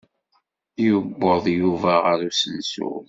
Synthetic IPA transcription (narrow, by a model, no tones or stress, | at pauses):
jəbːoðˤjuvæʁəɾusənsṵ